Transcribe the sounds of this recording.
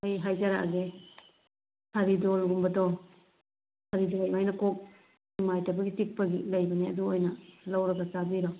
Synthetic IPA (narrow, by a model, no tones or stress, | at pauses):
ajɦajd͡ʒaɾaa̰ɡe | sʰaɾidɔlɡumbɐdɔ | sʰaɾidolajmajnɐkok̚ | imajtabɐɡitik̚pɐɡilɐjbɐniɐ̰duojnɐlawɾɐɡɐsabiɾɔ